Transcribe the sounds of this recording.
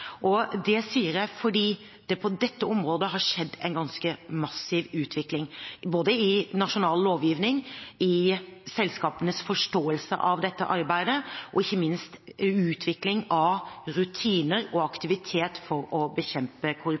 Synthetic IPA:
ʔɔd̪ɛsiːəɾjæɪfɔɖiː | d̪̥ɛpʰɔd̪ɛt̪ːəɔmɾoːd̪əɦɑʂɛd̪ːɛ̰ɪnɡɑnskəmɑsɪːʋʉːt̪ʰʋɪklɪŋboːd̪əɪnɑʂʊnɑːlloːʋjiːʋnɪŋɪsɛlskɑːpənəsfɔʂʈoːəlsə̰ʔɑ̰ʋd̪ɛt̪ːə̰ʔɑɾbæɪd̪əʔɔɪçːəmɪnst̪ʉːt̪ʰʋɪklɪŋɑʋɾʉt̪ʰiːnəɾɔɑkt̪ɪʋɪt̪ʰeːt̪fɔɾɔbəçɛmpəkʰʊɾ

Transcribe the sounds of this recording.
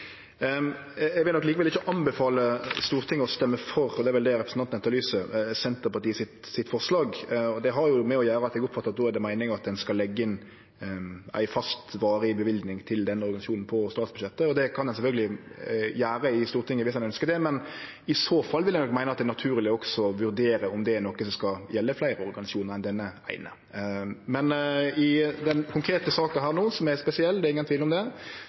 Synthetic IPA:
ɛɡʋɪlɔkliːkəʋɛlɪçəʔɑnbɛfɑːləst̪uːɾt̪ʰɪŋːəɔst̪ɛmːəfɔɾɔd̪ɛæɾʋɛld̪ɛɾɛpɾəsnɑnnɛt̪ːɑlyːsəsɛnt̪əpɑɾt̪iːəsɪt̪sɪt̪ːfɔʁslɑːɡɔd̪ɛɦɑɾjʊmɛɔjæːɾəɑt̪ːɛɡʊpfɑt̪ːɑt̪̚nɔːæɾd̪ɛmæɪnɪŋɑt̪̚d̪ɛnskɑlːɛɡːəɪn | æ̰ɪfɑst̪ʋɑːɾəɪbəʋɪld̪nɪŋt̪ʰɪld̪ɛnːəɔɾɡɑɪsɑʃuːnn̩pʰɔst̪ɑːt̪sbʉd̪ʃɛt̪ːəɔd̪ɛkʰɑnd̪ɛnsɛfœlɡəlɪjæːɾəɪst̪uːɾt̪ʰɪŋːəʋɪsɛnœnskəɾd̪ɛmɛn | ɪsoːfɑlːʋɪlæɪnɔkmæɪnəɑt̪̚d̪ɛnɑt̪ʰʉːɾlɪɔksɔʋʉɾd̪eːɾəɔmd̪ɛnɔkːəsɔmskɑjɛlːəflæɪɾəɔɾɡɑnɪsɑuːnəɾɛnd̪ɛnːəæ̰ɪnə̰ | mɛnɪd̪ɛnkʰʊŋkʰɾeːt̪əsɑːkəɦæːʁnoːsɔmæɾspɛsɪɛlːd̪ɛɾɪŋənt̪ʋiːlɔmd̪ɛ

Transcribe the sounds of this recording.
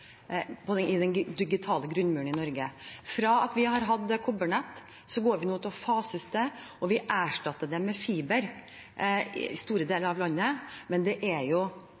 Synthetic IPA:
pʰɔd̪ɛɪd̪ɛnd̪ɪɡɪt̪ʰɑːləɡɾʉnːmʉːɳɪnɔɾɡəfɾɑːɑt̪ʋɪhɑɾɦɑd̪ːkʰʊbəɳɛt̪ː | sɔɡoːɾʋɪnuːt̪ɔfɑːsʏst̪ə | ɔʋɪʔæːʂʈɑt̪ːəɖ̪ɛmɛfiːbəɾ | st̪uːɾəd̪eːləɾɑʋlɑnːəmɛnd̪ɛʔæɾjʊ

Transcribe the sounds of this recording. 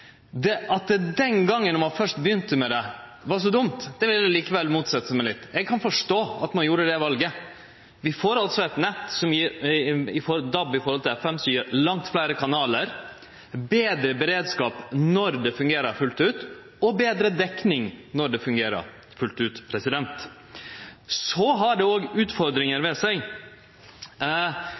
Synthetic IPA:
d̪ɛɑt̪̚d̪ɛd̪ɛnɡɑŋːənɔmɑfœʂʈbəjʏnt̪əmɛd̪ɛ | ʋɑʂ̬ɔd̪ʊmt̪d̪̥ɛʋɪlːjæliːkəʋɛlːmuːt̪sɛt̪ːəsəmɛɪlɪt̪ːɛɡ̚kʰɑnfɔʂʈoːɑt̪mɑnjuːɾəd̪ɛʋɑlɡə | ʋɪfoːɾɑlt̪sɔɛt̪nɛt̪ːsɔmjiɾɪfɔd̪ɑbːɪfɔɾhɔlt̪ʰɪlɛfɛmsɔjiɾlɑŋt̪flæɪɾəkʰɑnɑːləɾ | beːd̪ɾəbɛɾeːd̪skɑːpnɔɾd̪ɛfʉŋɡeːɾəɾfʉlt̪ʉːt̪ | ɔbeːd̪ɾəd̪ɛknɪŋnɔɖɛfʉŋɡeːɾə̰ɾ | fʉlt̪ʉːt̪pʰɾɛsɪd̪ɛnt̪ | sɔɦɑɖɛoːɡʉːt̪fɔɾd̪ɾɪŋəɾʋɛsæɪ

